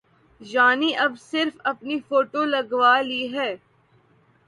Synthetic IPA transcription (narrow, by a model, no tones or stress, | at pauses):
d͡ʒaːniʔɐbsɪɾfɐpnifoːʈolɐɡʋaːliɦɛː